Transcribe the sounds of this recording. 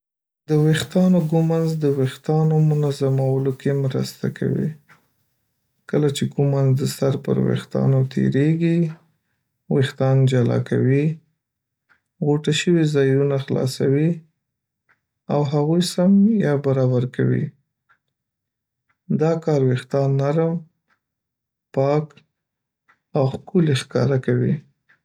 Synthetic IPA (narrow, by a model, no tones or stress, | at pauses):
d̪əwext̪ɑnoɡumanzd̪əwext̪ɑnomʊnazamawəlokemɾə̰st̪a̰kʰa̰wḭ | kəlat͡ʃeɡumanzd̪əsaɾpə̰ɾwḛxt̪ɑ̰not̪ʰḛɾeɡi | wext̪ɑnd͡ʒalɑ̰kʰa̰wi | ɣoʈaʃəwizɑjunaxlɑ̰sawi | awɦaɣujsamjɑbaɾɑbaɾka̰wḭ | d̪ɑkɑɾwext̪ɑnːaɾəm | pɑk | awxkulexkɑ̰ɾakawi